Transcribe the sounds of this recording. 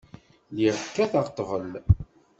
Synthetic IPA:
liɾkːæθɑʁt̪ˤːvəl

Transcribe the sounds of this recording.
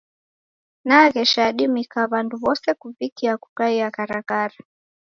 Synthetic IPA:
naɣɛʃaɗimikaβanduβɔsɛkuvikiakukaiakaɾakaɾa

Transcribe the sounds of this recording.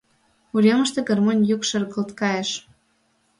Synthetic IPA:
uɾʲemə̆ʃt̪ĕɡermonʲjukʃɤrɣɤ̆lt̪kɑjə̆ʃ

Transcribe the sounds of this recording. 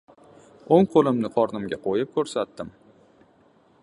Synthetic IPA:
oŋqʰolˠɪmnɪqʰɒɾnɪmɡʲaqʰojɪp̚kʰɵɾsat̪ːɪm

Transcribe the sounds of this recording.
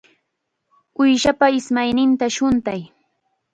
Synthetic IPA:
ʊjʃapaɪsmajnɪnt̪aʃʊnt̪aj

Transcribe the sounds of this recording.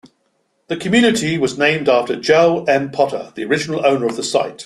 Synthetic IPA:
ðəkʰəmjʉːnɪtʰiwɒznẽɪ̃mdɑˑftəd͡ʒɛʊlɛ̃npʰɒtʰə̰ðiəɹɪd͡ʒɪnəlˠəʊnəɹəvðəsa̰ɪt

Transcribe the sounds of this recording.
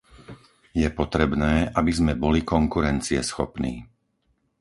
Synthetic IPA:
jɛpɔt̪ɾɛbnɛːʔabizmɛbɔlikɔŋkuɾɛnt͡siɛ̰sxɔ̰pnḭː

